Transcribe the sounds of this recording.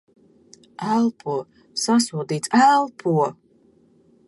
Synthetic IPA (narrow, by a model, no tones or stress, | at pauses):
alˠpʰuɔ | sasuɔd̪iːtt͡salˠpʰuɔ